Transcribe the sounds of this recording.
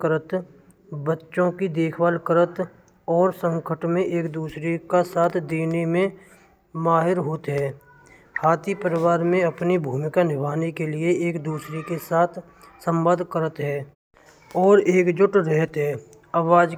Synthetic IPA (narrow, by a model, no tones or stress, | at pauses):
kəɾət̪ | bətːʃõkid̪eːkʰwaːlkəɾət̪ | ɔːɾsə̃ŋkʰəʈmẽʔeːk̚d̪uːsɾekasaːt̪ʰd̪eːnemẽ | maːɦɪɾɦoːt̪ɦɛː | haːt̪ipəɾɪwaːɾmẽɐpnibʱuːmɪkanɪbʱaːnekelieeːkd̪uːsɾekesaːt̪ʰ | sə̃mbaːd̪ʱkəɾət̪ɦɛː | ɔːɾeːkd͡ʒʊʈɾɛɦət̪ɦɛː | aːwaːd͡ʒ